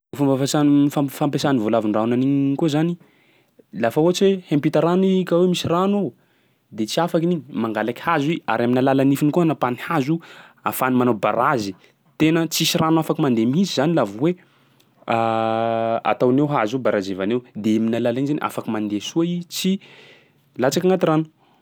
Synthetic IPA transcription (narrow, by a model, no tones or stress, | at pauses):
fumbfasanfafampesanivolavinraunaniɲikuzani | lafauat͡ʃwehempit̪aɾanikawemisirano | d̪et͡siafakiniɲimaŋɡalaki̥hazia̰ɾaminalalanifinikuanapanihazua̰fanumanaba̰ɾazi | t̪enət͡sisiranuafakimand̪emisizanilavwe | a | a̰t̪awnewɦazubaɾazevanewd̪eminalalanzanʔa̰fakimand̪esuait͡si | lat͡sakaŋɡat̪iranu̥